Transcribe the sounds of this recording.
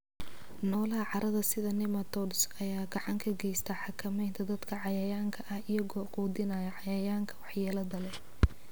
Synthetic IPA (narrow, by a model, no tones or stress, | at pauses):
nɔːlɐɦɐʕɑɾʔɐðɐsɪðɐnɪmɐt̪ʰɔdsɐjaːɡɑʕɑŋkʰɐɡɛjst̪ʰɐħɑkʰɐmɛjnt̪ʰɐd̪ɐd̪kʰɐʕɑjɐjaːŋkʰɐʔɐhɪjɐɣɔːquːd̪ɪnajɐʕɑjɐjaːŋkʰɐ̥wɑħjaːlɐðɐlɛ